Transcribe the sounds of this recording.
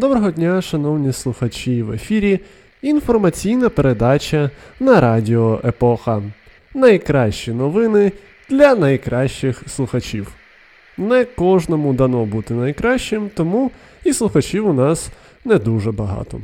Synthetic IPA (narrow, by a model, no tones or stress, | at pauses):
d̪ɔbɾɔɦɔdʲnʲaʃɐn̪ɔwnʲislˠʊxɐt͡ʃʲiʋḛfʲiɾʲiː | nfɔrmɐt͡sʲijnɐpeɾed̪ɑt͡ʃʲɐnɐɾɑdʲɪɔʔepɔxɐ | nɐjkɾɑʃt͡ʃinɔʋɪnɪ | d̪̥lʲɐnɐjkɾʔɑʃt͡ʃɪxslˠʊxɐt͡ʃʲiw | nɛkɔʒnɔmʊd̪ɐnɔbut̪ɪnɐjkɾɑʃt͡ʃɪmt̪ɔmu | islˠʊxɐt͡ʃiwʊnɑs | nɛd̪uʒɛbɐɦɑ̰t̪ɔ̰